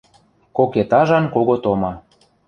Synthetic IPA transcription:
koket̪ɑʒɑnkoɣot̪omɑ

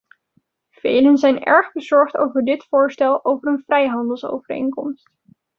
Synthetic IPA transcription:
v̥ḛjlənzɛjnɛ̰ɹχbəzɔɹχto̰wvəɹdɪtfʊːɹstɛlˠowvərənv̥rɛjɦɑndəlˠso̰wvərḛjnkɔ̰mst

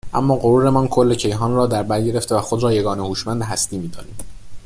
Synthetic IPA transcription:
ʔæ̰mːɒːɢoɾuːɾemɒːnkʰo̞lːe̞cʰe̞jɦɒːnrɒːd̪æɾbæɾɟe̞ɾe̞ft̪e̞væxod̪ɾɒːje̞ɡɒːne̞huːʃmænd̪eɦæst̪iːmiːd̪ɒ̰ːniːm

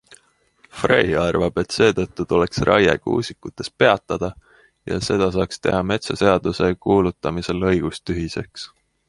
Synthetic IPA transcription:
frejɑrvɑb̥e̞t̪se̞ːt̪ɤt̪ːut̪uleksrʔɑ̰jḛɡ̥ṵːsikːut̪ːˑe̞s̚pe̞ɑt̪ːˑɑd̪̥ɑ | jɑ̰se̞d̪̥ɑsɑːkst̪e̞̰hɑme̞t̪sose̞ɑd̪̥use̞kuːlut̪ːˑɑmise̞lɤ̞jɡ̥ust̪yɦise̞̰ks

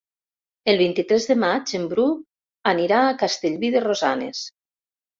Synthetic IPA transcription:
elˠβ̞int̪it̪ɾezðemad͡ʒembɾu | aniɾaːkast̪eʎβiðerozanḛs

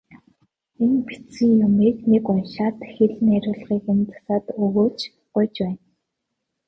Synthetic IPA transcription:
enpi̥t͡sĭŋjʊmiːknekʊnʃaːt̪xeɮ̆næɾʲʊːɮʁiːkɵnt͡sḁ̆saːt̪ɵɣoːt͡ɕ | ɢʊjt͡ɕpæːn

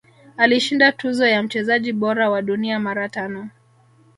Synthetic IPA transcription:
aliʃindatuzɔjam̩t͡ʃɛzaʄiɓɔɾawaɗuniamaɾatanɔ

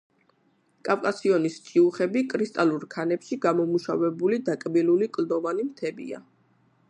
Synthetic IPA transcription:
kʼafkʼasiɔnist͡ʃʼiuχɛbikʼɾist̪ʼaluɾkʰanɛpʃiɡamɔmuʃavɛbulid̪akʼbilulikʼld̪ɔvanimt̪ʰɛbḭa̰

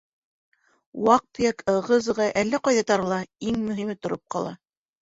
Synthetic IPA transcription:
wɑq̚t̪ɤ̆jɑkʰɤ̆ʁɤzɤ̆ʁɑʔælːæqɑjðɑt̪ɑɾɤ̆lˠɑiŋmɵ̆ɦimɘt̪ŏɾop̚qɑlˠɑ̰

